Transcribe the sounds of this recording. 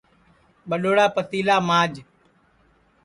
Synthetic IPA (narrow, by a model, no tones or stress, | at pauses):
ɓəɗoːɽaːpət̪iːlaːmaːd͡ʒ